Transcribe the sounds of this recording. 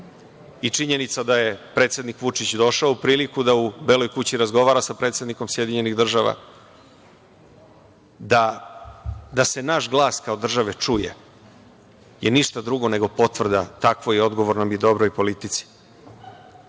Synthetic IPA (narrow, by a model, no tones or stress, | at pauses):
it͡ʂiɲe̞nit̪sad̪aje̞pɾe̞t̪sʲe̞d̪nikʋut͡ʂit͡ɕd̪o̞ʃaoupɾiːlikud̪aubelo̞jkut͡ɕiɾazɡo̞ʋaːɾasapɾe̞ːt̪se̞d̪niko̞msje̞d̪iɲe̞niɣd̪r̩ʒaʋa̰ | d̪a | d̪ase̞naʃɡlˠaːskaod̪r̩ʒaʋe̞t͡ʂujḛ | jeniʃt̪ad̪ɾuɡo̞ne̞ɡo̞po̞t̪ʋr̩d̪a̰t̪akʋo̞io̞d̪ɡo̞ʋoɾnomid̪o̞bɾojpo̞lit̪it̪si̥